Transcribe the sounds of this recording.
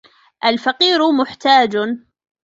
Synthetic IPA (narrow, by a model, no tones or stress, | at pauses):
ʔalfaqiːɾʊmʊħt̪aːd͡ʒ